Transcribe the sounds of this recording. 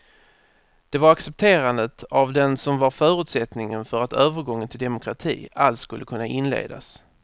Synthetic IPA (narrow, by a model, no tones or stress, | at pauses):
d̪̥ɛvaɾaksɛp̚t̪ʰeːɾand̪ət̪ʰavd̪ɛnsɔmvaɾfœːɾɵ̟ːt̪sɛt̪nɪŋənfœɾat̪ʰøːvəɾɡɔŋːənt̪ʰɪld̪ɛmʊkʰɾat̪ʰḭːalskɵlːəkʰɵnːaʔɪnlḛːd̪a̰s